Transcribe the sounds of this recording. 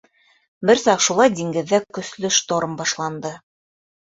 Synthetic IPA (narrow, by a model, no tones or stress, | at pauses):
bɘɾsɑqʃulˠɑjd̪iŋɡɘ̆ðːækkɵ̆slɵʃt̪oɾɤmbɑʃlˠɑnd̪ɤ